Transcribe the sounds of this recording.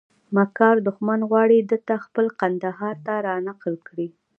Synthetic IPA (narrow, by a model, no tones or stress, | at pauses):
makɑɾd̪ʊxmanɣwɑɽid̪ət̪axpəlqand̪aɦɑɾt̪aɾɑnaqlkɽi